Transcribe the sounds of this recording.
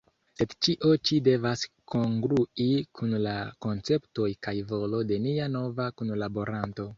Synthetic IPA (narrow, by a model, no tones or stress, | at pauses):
se̞dt͡ʃiʔo̞t͡ʃide̞vasko̞ŋɡɾuikʰunlako̞nt͡se̞pto̞jkajvo̞lo̞de̞niano̞vakunlabo̞ɾanto̞